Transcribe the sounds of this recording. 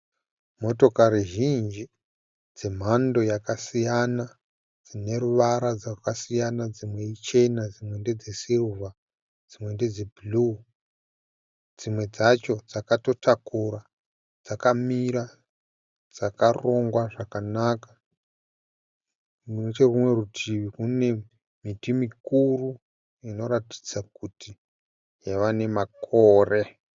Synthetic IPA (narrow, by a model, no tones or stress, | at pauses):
mo̞to̞kaɾiʒind͡ʒi | d͡zem̤ando̞jakasijana | d͡zine̞ɾuʋaɾad͡zakasijanad͡zimwe̞it͡ʃe̞nad͡zimwe̞nde̞d͡zesilva | d͡zimwe̞nde̞d͡zebulu | d͡zimwe̞d͡zat͡ʃo̞d͡zakato̞tʰakuɾa | d͡zakamiɾa | d͡zakaro̞ŋɡwaʐakanakḁ | munot͡ʃerumwe̞rutʰiʋikune̞ | mitimikuru | ino̞ɾati̥d͡zakuti | jaʋane̞makʰoːre